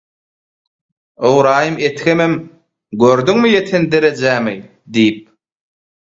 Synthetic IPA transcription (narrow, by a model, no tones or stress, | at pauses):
owɾɑːjɯmet̪kemem | ɡøɾd̪yŋmijet̪ʰend̪eɾed͡ʒæmi | d̪ijip̚